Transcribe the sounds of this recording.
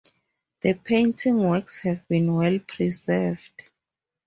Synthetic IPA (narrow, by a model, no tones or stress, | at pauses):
ð̥əpʰẽjntʰĩŋwɛkshɛvbĩnwɛlpʰɹizɛvd̥